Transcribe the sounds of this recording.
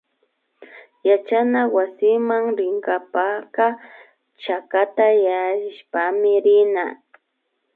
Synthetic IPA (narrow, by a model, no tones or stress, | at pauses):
jat͡ʃanawasɪmaŋɾɪŋkapaka | t͡ʃakat̪ajaɪʃpamɪɾɪna̰